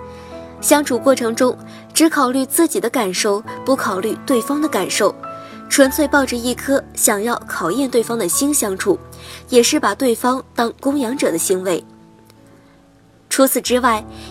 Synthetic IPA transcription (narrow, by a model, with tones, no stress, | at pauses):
ɕjɑ˥ŋʈ͡ʂʰu˨˩kwɔ˥˩ʈ͡ʂʰɤ˧˥ŋʈ͡ʂʊ˥ŋ | ʈ͡ʂɻ̩˧˥kʰɑ˨˩ʊly˥˧t͡sɹ̩˥˩t͡ɕi˨˩d̪ə˦ka˨˩nʂo˥˩ʊpu˥˩kʰɑ˨˩ʊly˥˧t̪we˥˩ɪfɑ˥ŋd̪ə˨ka˨˩nʂo˥˩ʊ | ʈ͡ʂʰwə˧˥nt͡sʰwe˥˧ɪpɑ˥˧ʊʈ͡ʂə˧i˥˩kʰɤ˥ɕjɑ˨˩ŋjɑ˥˩ʊkʰɑ˨˩ʊjɛ˥˧nt̪we˥˩ɪfɑ˥ŋd̪ə˨ɕi˥nɕjɑ˥ŋʈ͡ʂʰu˨˩jɛ˨˩ʂɻ̩˥˩pa˨˩t̪we˥˩ɪfɑ˥ŋt̪ɑ˥ŋkʊ˥ŋjɑ˧˥ŋʈ͡ʂɤ˨˩d̪ə˦ɕi˧˥ŋwe˧˥ɪ | ʈ͡ʂʰu˧˥t͡sʰɹ̩˨˩ʈ͡ʂɻ̩˥wa˥˩ɪ